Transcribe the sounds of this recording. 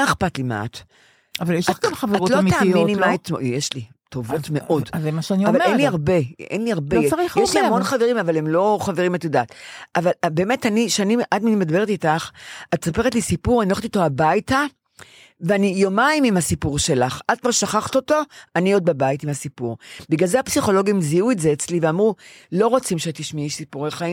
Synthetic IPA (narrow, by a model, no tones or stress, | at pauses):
aeχpatlima̰a̰t | avaljeʃlolχaveaʁolomtaːmetnimmaet̪mojeʃli | tovo̞tmeʔo̞dzemaʃeaniavalenliaʁbe̞ḛnliaʁbeʁiχjeʃlihamonχaveʁimavalemlo̞χaveʁimatjodaːtavalbeːmetaniʃaniʔadminimed̪abe̞ʁetitaχatsapeʁetlisipuʁanilχt̪iot̪oabajta | veanijomaimimasipuʁʃe̞laχaltmaʃaχaχt̪o̞to̞anio̞d̚babaitimasipuʁbiɡalzehapsiχo̞lo̞ɡimziuetzeːt͡sliveamʁulo̞ʁot͡simʃeat̪iʃmiʃsipuʁeχaim